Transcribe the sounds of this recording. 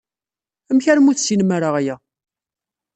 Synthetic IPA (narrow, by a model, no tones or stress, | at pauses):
əmçaɾmuθsinmaɾəʁjæ